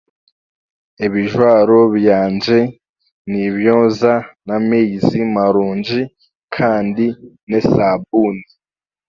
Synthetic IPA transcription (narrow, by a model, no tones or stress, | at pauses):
eβiʒwaːɾo̞βjaːnd͡ʒe̞ | niβjoːzanameizimaɾuːnd͡ʒi | kʰaːndi | nesab̚uni